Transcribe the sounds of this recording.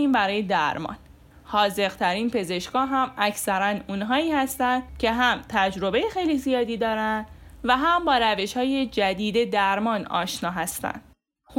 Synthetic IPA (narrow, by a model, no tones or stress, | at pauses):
iːmbæɾɒːjed̪æɾmɒ̰ːn | hɒːze̞ɣt̪ʰæɾiːnpʰe̞ze̞ʃkɒːɦæmæcʰsæɾænuːnɦɒːiːhæst̪ænd̪cʰe̞ɦæmt̪ʰæd͡ʒɾo̞be̞jexe̞jlizijɒːd̪iːd̪ɒːɾænd̪væɦæmbɒːɾæve̞ʃhɒːje̞d͡ʒæd̪iːd̪e̞d̪æɾmɒːnɒ̰ːʃnɒːɦæst̪æ̰nd̥̪